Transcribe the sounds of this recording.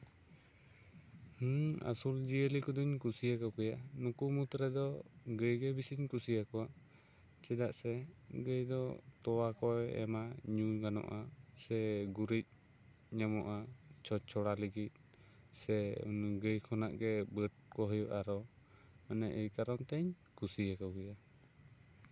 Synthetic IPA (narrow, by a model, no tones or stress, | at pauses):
ha̰suld͡ʒiəlikɔd̪iɲkusijakɔkɔjanukumut̪ɾɛd̪ɔɡəjɡɛbisiɲkusijakɔwa | t͡ʃɛd̪aʔsɛɡəjd̪ɔt̪ɔwakɔjɛ̰maɲuɡanɔ̰ʔasɛɡuɾic̚ | ɲɛmɔʔat͡ʃʰɔt͡ʃʰɔɽaləɡit̪̚ˀ | sɛ̰nɡəjkʰɔnaʔɡɛbəʈ̚kɔɦɔjɔʔaɾɔ | ənɛʔəjkaɾɔnt̪ɛɲ | kusijakawkɔja